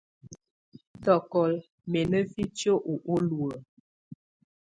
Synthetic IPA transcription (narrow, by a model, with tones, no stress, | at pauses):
tɔ˨kɔ˨l | mɛ˨nə˦fi˦t͡ʃo˦ʔu˨ʔo˦lwə˨